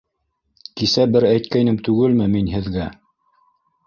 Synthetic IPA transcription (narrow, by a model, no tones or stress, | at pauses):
kisæbɘɾæjt̪̚kæjnɘmt̪ʉɡɘlmɘminɦɘ̆ðɡæ